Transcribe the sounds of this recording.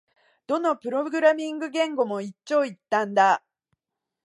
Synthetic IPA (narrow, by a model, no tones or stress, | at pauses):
d̪̥o̞no̞pɯ̟ɾo̞ɡɯ̟ɾamʲĩŋɡɯ̟ɡẽ̞ŋɡo̞mo̞it͡ɕːo̞ːit̪ːãnd̪a